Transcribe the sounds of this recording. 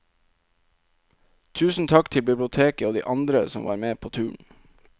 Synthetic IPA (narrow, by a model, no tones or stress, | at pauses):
t̪ʰʉːsn̩t̪ʰɑkt̪ʰɪlbɪblɪʊt̪ʰeːkəoːd̪ḭːʔɑnd̪ɾəsɔ̰mʋɑ̰ːɾmeːpʰoːt̪ʰʉːɳ